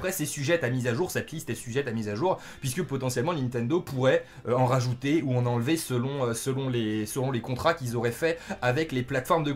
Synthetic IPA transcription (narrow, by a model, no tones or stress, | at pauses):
pχɛsesyʒɛt̪amizaʒuʁsɛt̪list̪esyʒɛt̪amizaʒuːʁ | pɥiskəpɔt̪ɑ̃sjɛlmɑ̃nĩnt̪ɛ̃nd̪opuʁɛ | øɑ̃ʁaʒut̪euɑ̃nɑ̃lvesəlɔ̃øsəlɔ̃lesəlɔ̃lekɔ̃t̪χakʲilzɔʁɛfɛavɛkleplat̪fɔʁmd̪ə